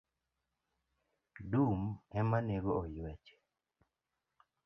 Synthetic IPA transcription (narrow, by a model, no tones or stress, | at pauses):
dumɛmaneɾɔːjwɛt͡ʃɛ̥